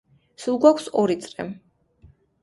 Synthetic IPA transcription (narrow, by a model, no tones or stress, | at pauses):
sulˠɡwakʰsɔɾit̪sʼɾɛm